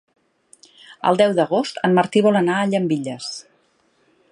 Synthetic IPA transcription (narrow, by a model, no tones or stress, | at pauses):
ə̰lˠd̪ɛwðəɣost̪əmməɾt̪iβɔlənaəʎəmbiʎəs